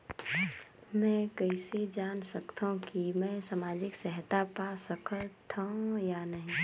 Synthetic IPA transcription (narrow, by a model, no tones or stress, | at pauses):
mɛ̃ːkəɪsed͡ʒaːnsɐkt̪õkimɛ̃samaːd͡ʒɪksɛɦt̪apasəkʰət̪ʰːãjanɐɦĩː